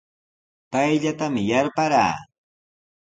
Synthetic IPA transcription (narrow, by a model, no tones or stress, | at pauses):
pajʎat̪amɪjaɾpaɾa̰ː